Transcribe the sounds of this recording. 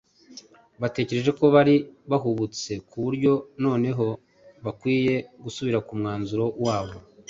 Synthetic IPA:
βate̞ːce̞ɾe̞ʒe̞ko̞βaɾiβaɦuβut͡se̞kuβuɾɟo̞no̞ːne̞ɦo̞ | βakwiːje̞ɡusuβiɾakumŋaːnzuɾo̞waːβo̞

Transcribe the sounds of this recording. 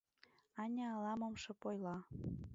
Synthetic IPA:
ɑnʲɑɑlɑmɤ̆mʃɤ̆pojlɑ

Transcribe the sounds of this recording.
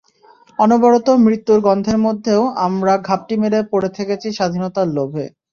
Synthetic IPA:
ɔnobɔɾot̪omɾit̪ːuɾɡɔnd̪ʱeɾmod̪ʱːeoamɾaɡʱap̚ʈimeɾepoɾet̪ʰeket͡ɕʰiʃad̪ʱinɔt̪alobʱḛ

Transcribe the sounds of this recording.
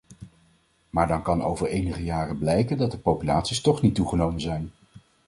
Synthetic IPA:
maːɹdɑnkɑno̰wvəɹejnəχəjaːrəblɛjkəndɑt̚dəpowpyla̰ːtsistɔχnitːuχənowmənzɛjn

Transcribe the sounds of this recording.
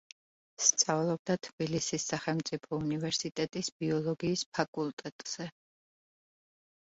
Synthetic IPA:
st̪sʼavlˠɔb̚d̪at̪ʰb̥ilisisaχɛlˠmt̪sʼipʰɔunivɛɾsit̪ʼɛt̪ʼisbiɔlˠɔɡiːspʰakʼulˠt̪ʼɛt̪ʼz̥ɛ

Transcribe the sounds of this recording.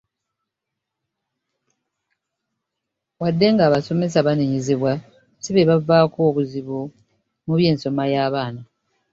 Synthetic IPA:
wadːe̞ŋɡaːβaso̞me̞s̬aβaniɲiziβwa | siβeβavaːkoːβuziβu | muβje̞ːnso̞majaːβaːna

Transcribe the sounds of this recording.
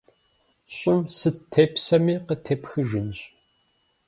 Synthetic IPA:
ɕʼɪmsɨtʰepsɐmiːqətʰepxɨʒɨnɕʼ

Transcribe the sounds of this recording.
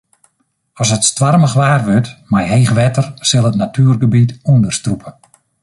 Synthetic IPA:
ɔsətstʋarməxʋaːrʋøtmajɦeːxʋɛtərsɪlˠətnatʰyːrɡəbitundərstrupʰə

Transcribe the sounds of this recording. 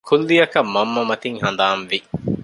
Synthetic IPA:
kʰulːijɐkɐmːɐmːɐmɐt̪iŋhɐnd̪aːnʋi

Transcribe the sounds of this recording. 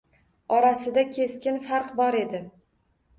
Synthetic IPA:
ɒɾasɪd̪akʲʰe̞skʲɪnfaɾqbɒɾe̞d̪ɪ

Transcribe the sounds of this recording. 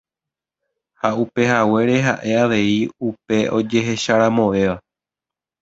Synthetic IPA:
haupe̞hawe̞ɾe̞ɦa̰ʔe̞aʋe̞iupe̞ʔo̞d͡ʒe̞ɦe̞ʃaɾãmõ̞ʋe̞ʋa

